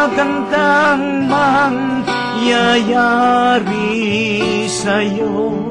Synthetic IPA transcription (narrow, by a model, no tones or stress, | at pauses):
ɡaŋd̪aŋ | maŋ | jajaɾi | sajo